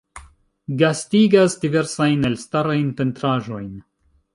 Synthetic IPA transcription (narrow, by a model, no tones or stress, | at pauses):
ɡastiɡasdive̞ɾsajnelstaɾajnpentɾaʒo̞jn